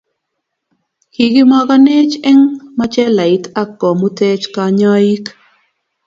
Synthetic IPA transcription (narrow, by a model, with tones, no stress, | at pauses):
ki˨ɡɪ˦ma˦ɡa˦ne˦t͡ʃɛ˦ŋma˦t͡ʃɛ˦la˨i˦ta˦kːɔ˨mu˦tɛ˦t͡ʃka˨ɲɔ˦i˦k